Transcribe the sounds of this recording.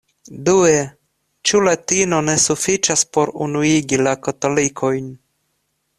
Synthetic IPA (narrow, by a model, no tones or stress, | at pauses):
due | t͡ʃulatino̞ne̞sufit͡ʃaspo̞ɾṵnuiɡilakato̞likʰo̞jn